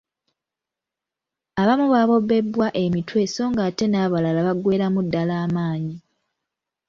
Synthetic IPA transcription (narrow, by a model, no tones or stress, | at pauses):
aβamuβaβo̞bːe̞bːwaʔe̞mitwe̞so̞ːŋɡaːte̞naːβalalaβaɡwe̞ːɾamudːalaːmaːɲi